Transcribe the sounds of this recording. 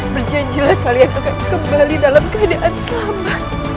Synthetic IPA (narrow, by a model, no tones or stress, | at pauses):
bərd͡ʒaɲd͡ʒilahkalianakankəmbalidalamkəadaʔansəlamat̪̚